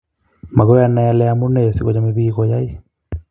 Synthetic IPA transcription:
ma˨ɣɔ˦ja˦na˨ja˦lɛ˦a˦mu˦nɛ˦˨si˨ɣɔ˨t͡ʃa˦me˨βi˦ɣɔ˨ja˦i˦

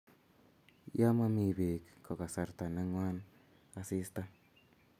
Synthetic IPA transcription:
ja˦ma˦mi˨be˨kːʰo˨ka˨sa˨ɾt̪a˨ne˦ŋwa˦n | a˦si˦st̪a˦

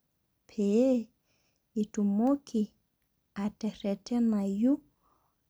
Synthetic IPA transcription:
pʰee | itumo˦kʰi | a˨te˨ɾe˨te˦naju˦

